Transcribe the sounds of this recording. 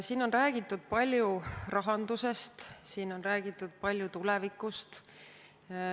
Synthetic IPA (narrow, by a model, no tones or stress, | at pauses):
siːno̞nræːɡ̥it̪ːˑud̪̥̚pɑlʲjurɑɦɑnd̪̥use̞st̪siːno̞nræːɡit̪ːˑud̪̥̚pɑlʲjut̪ulɛ̞vikːˑust̪